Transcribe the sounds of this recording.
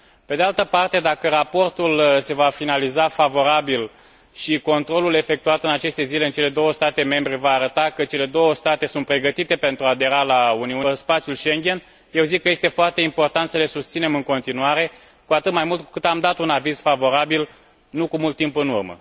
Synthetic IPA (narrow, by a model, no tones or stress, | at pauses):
pe̞d̪ealt̪əpart̪e̞d̪akəɾapo̞rt̪ulse̞vafinalizafavo̞ɾabil | ʃiko̞nt̪ɾo̞lule̞fek̚t̪uat̪ɨnat͡ʃe̞st̪e̞zile̞ɨnt͡ʃe̞le̞d̪o̞wəst̪at̪e̞me̞mbɾe̞vaːɾət̪akət͡ʃe̞le̞d̪o̞wəst̪at̪e̞sunt̪pɾe̞ɡət̪it̪e̞pe̞nt̪ɾuad̪e̞ɾalauniuspat̪sjulʃe̞ŋɡʲen | je̞wzikːəjest̪e̞foart̪e̞impo̞rt̪ant̪səle̞sust̪sine̞mɨŋko̞nt̪inuaɾe̞ | kuat̪ɨt̪majmult̪̚ku̥kɨt̪amd̪at̪unaviz̥favo̞ɾabil | nukumult̪ːimpɨnṵrmə̰